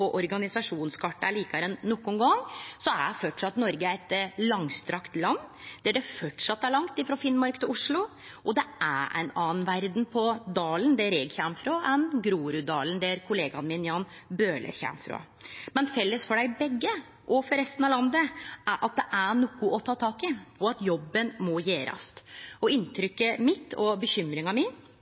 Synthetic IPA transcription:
pɔʔɔɾɡɑnɪsɑʂuːnskʰɑʈːɑæɭiːkɑɾɛnːɔkːʊnɡɑŋsɔæɖfɔʈʂɑt̪ːnɔɾɡəɾɛt̪lɑŋst̪ɾɑkt̪lɑnːd̪̥æɖɛfɔʈʂɑt̪ːæɭɑŋt̪ɪfɾɑfɪnmɔɾkt̪ʰɪʊʂɭʊ | ʔɔd̪ɛæʔæ̰ɪnɑːənʋæɾd̪npʰɔd̪ɑːlənd̪ɛɾɛɡçæmfɾoʔɛnɡɾuːɾʉd̪ɑːlənd̪ɛɾkʰʊleːɡɑnmɪnjɑːnbøːlə̰ɾçæ̰mfɾo̰ | mɛnfɛlːəsfɔɖæɪbɛɡːə | ʔɔfɔɾɛst̪ən̩ɑʋlɑnd̪əʔæɾʔɑt̪̚d̪ɛʔæɳɔkːʊʔɔt̪ʰɑːt̪ʰɑːkɪɔɑt̪jɔbːənmɔjeːɾɑ̰st̪ɔɪnt̪ʰɾʏkːəmɪt̪ʰːɔbəçʏmɾɪŋɑmɪn

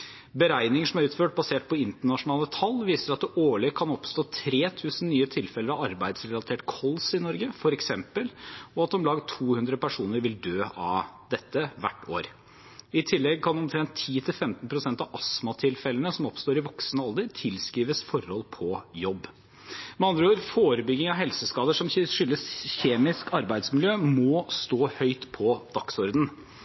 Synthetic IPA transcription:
bəɾæɪnɪŋəʂɔmæɾʉːt̪føːʈ̚bɑseːʈ̚pʰɔɪnt̪əɳɑʂʊnɑːlət̪ʰɑlːʋiːsəɾɑt̪̚d̪oːɭɪkʰɑnɔpst̪oːt̪ʰɾeːt̪ʰʉːsən̩nyːət̪ʰɪlfɛləɾɑʋɑɾbæɪd̪sɾɛlɑt̪ʰeːʈkʰɔlsɪnɔɾɡəfɔɾɛksɛmpəlɔɑt̪̚d̪ɔmlɑːɡt̪ʰuːhʉnd̪ɾəpʰæʂuːnəɾʋɪld̪øːʔɑʋd̪ɛt̪ːəʋæ̰ʈːo̰ːɾ | ɪt̪ʰɪlːɛɡ̚kʰɑnɔmt̪ʰɾɛnt̪ʰːiːt̪ʰɪlfɛmt̪n̩pʰɾʊsɛnt̪ɑʔɑsmɑt̪ʰɪlfɛlənəsɔmɔpst̪oːɾɪʋɔksnəɑld̪əɾt̪ʰɪlskɾiːʋəsfɔɾhɔlpʰɔjɔbː | mɛɑnd̪ɾəoːɾfoːɾəbʏɡːɪŋɑʋɦɛlsəskɑːd̪əʂɔmʂʏlːəsçeːmɪskɑɾbæɪd̪smɪljøːmɔst̪oːhœʏt̪pʰɔd̪̥ɑksɔɾd̪n̩

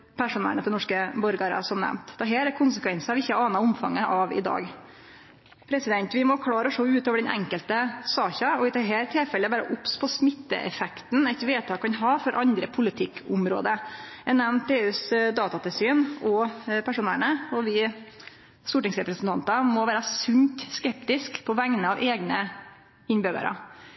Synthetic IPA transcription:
pʰæʂʊnæ̰ɳət̪ʰɛnɔʂkəbɔɾɡɑɾɑ̰sɔmnɛ̰mt̪d̪ɛɦæːɾæɾkʰʊnsəkʰʋɛnsɑʋɪɪçːəæɾɑːnɑʊmfɑ̰ŋːəʔɑʋɪ̰d̪ɑ̰ːɡ | pʰɾɛsɪd̪ɛnt̪ʋɪmɔkʰlɑːɾəɔʂoːʉːt̪oːʋəɖɛnʔɛ̰ŋkəlt̪əsɑːçɑɔʋɪt̪ʰɑɦeːɾt̪ʰɪlfɛlːəʋæːɾə̰ʔʊpspʰɔsmɪt̪ːə̰ʔɛ̰fɛkt̪nɛɪt̪ʋeːt̪ʰɑːkːɑnɦɑːfɔɾʔɑnd̪ɾəpʰʊlɪt̪ʰɪkːʰʊmɾo̰ːd̪əɛnɛmnt̪eːʉːsd̪ɑːt̪ɑt̪ɪlsyːnɔpʰæʂʊːnæːɳəɔʋɪ | suːʈɪŋsɾɛpɾəsn̩t̪ɑnt̪ɑmɔʋæːɾɑsʉnt̪skɛpt̪ɪskpʰɔʋæŋnəɑʋʔeːɡnə | ɪɲbøːɡə̰ɾʔə̰

